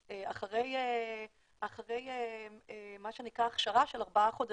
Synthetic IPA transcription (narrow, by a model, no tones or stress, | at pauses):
eaχaʁe̞je | ʔaχaʁe̞jeemaʃenikʁaːχʃaʁaʃelaʁbaaχo̞d̪a